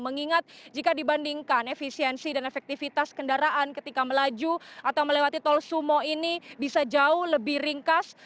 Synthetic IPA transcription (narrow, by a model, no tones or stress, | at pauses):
məŋiŋat̪̚d͡ʒikadibandiŋkanefisiɛnsidanefɛk̚t̪ifit̪askəndaɾaʔankət̪ikaməlad͡ʒuʔat̪awməlewat̪it̪ɔlsumɔinibisad͡ʒaʊhləbɪhriŋkas